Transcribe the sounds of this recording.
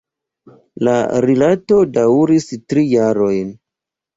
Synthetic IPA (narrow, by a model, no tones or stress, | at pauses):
la̰ɾilatodawɾistɾijaɾo̞jn